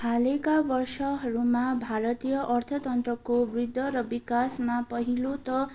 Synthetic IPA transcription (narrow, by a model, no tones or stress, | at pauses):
alekabʌrsʌɦʌɾumabʱaɾʌt̪ijʌʔʌrt̪ʰʌt̪ʌnt̪ɾʌkobrid̪ʱːʌɾʌbikasmapʌɦilot̪ʌ